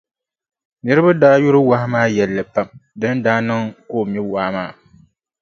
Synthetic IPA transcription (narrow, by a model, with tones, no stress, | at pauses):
nɨ˦ɾɨ˦ba˦daː˦ju˦ɾɨ˦wa˦hɪ˦maː˦jɛ˨lːɨ˨pa˨mdɨ˦ndaː˦nɨ˦ŋkoː˦˨mi˦waː˦maː˦˨